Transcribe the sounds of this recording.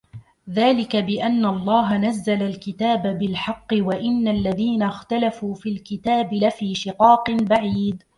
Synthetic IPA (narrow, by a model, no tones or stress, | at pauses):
ðaːlɪkabɪʔanːaʔɑlˤːɑːɦanazːalalkɪt̪aːbabɪlħɑqːɨwaʔɪnːalːaðiːnaxt̪alafuːfiːlkɪt̪aːbɪlafiːʃɪqɑːqɨnbaʕiːd̪